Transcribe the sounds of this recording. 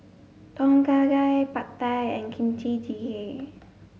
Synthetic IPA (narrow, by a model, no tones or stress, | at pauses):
t̪ɔŋkaːdajpat̪ːajankʰint͡ɕʰid͡ʒihe